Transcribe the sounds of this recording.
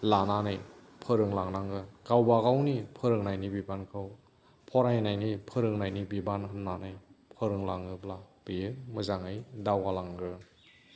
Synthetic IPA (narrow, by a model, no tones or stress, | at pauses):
lananɯj | pʰɯɾɯŋlaŋnaŋɡɯɡawbaɣawnipʰɯɾɯŋnajnibibankʰɯw | pʰɔɾajnajnipʰɯɾɯŋnajnibibanɦɯnnanɯjpʰɯɾɯŋlaŋɯblab̥ijɯmɯzaŋɯjdawɡalaŋɡɯ